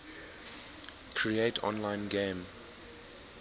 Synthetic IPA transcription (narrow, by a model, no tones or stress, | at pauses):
kʰɹietʰɔ̰̃nlãɪ̃nɡẽm